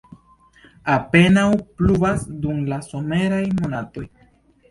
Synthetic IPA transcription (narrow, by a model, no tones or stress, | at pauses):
ape̞nawplubasdumlaso̞me̞ɾajmo̞nato̞j